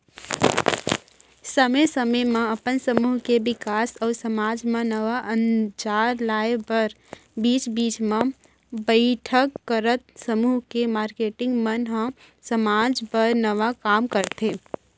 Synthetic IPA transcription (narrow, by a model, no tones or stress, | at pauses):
səməjsəməjmẽəpənsəmuːɦkebɪkaːsɔːɾsəmaːd͡ʒmẽnəʋaʔə̃nd͡ʒaːɾlaːepəɾ | biːt͡ʃbiːt͡ʃmẽ | bəɪʈʰəkːəɾət̪səmuːɦkemaːɾkeːʈɪ̃ŋɡmənɦə̃ | səmaːd͡ʒpəɾnəʋakaːmkəɾt̪e